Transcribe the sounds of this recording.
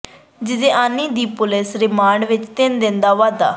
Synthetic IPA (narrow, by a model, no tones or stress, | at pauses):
d͡ʒɪd̪ẽːʔaːnːiːd̪iːpʊlɪsɾɪmaːɳɖʋɪt͡ʃt̪ɪnd̪ɪ̃nd̪aːʋaːd̪a̰ː